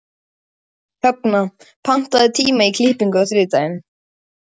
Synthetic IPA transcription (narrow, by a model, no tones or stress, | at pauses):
hœpna | pʰan̥t̪aðɪt̪ʰiːmaikʰliːhpiŋkʏɔθɾʏːt̪ajɪn